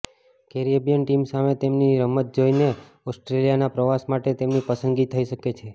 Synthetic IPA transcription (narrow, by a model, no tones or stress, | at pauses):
kɛɾijebijənʈimsamet̪emniɾəmət̪̚d͡ʒoine | ɔsʈɾelijanapɾəʋasmaʈet̪emnipəsənɡit̪ʰəiʃəket͡ʃʰe